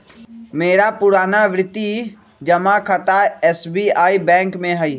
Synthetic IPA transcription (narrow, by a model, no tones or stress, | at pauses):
meːɾapʊɾaːnaʋɾɪt̪ːi | d͡ʒɐmãkʰət̪aɛːsbiːaːibɛ̃ːŋkmẽɦəi